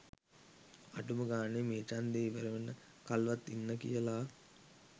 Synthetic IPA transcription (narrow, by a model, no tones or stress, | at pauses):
aʈuməɡaːnemeːt͡ʃand̪eːiʋəɾɐʋenːə | kalʋat̪ːinːəkḭjəlaː